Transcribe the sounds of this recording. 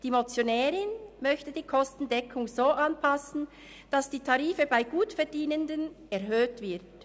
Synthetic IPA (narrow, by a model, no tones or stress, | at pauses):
d̥iːmot͡sjonɛːʁɪnmœçtəd̥iːkʰɔstn̩dɛkʰʊŋzoːʔanpʰasn̩ | d̥asd̥iːtʰaʁiːfəbaɪɡuːtfɛɐdiːnəndən | ɛʁɦøːtv̥ɪɐt